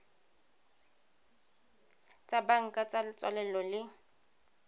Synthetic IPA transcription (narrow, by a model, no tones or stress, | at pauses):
t͡sʼabaŋ̩kʼat͡sʼalɪt͡sʼwa̰lɛlɔlɪ